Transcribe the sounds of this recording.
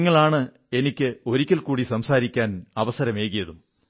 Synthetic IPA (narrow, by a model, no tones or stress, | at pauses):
ŋːɐɭaːɳɨ | e̞nikʲːɨo̞ɾikʲːɐlkuːɽisɐmsaːɾikʲːaːnɐʋɐsɐɾɐme̞ːɣijɐðum